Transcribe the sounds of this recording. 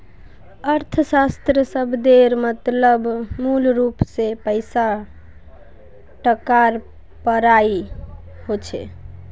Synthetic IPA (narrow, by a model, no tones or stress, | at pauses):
əɾt̪ʰəsast̪ɾəsəbd̪eɾmət̪ləbmulɾupsepəɪsa | ʈəkaɾ | pəɾai | hot͡ʃʰɛ̰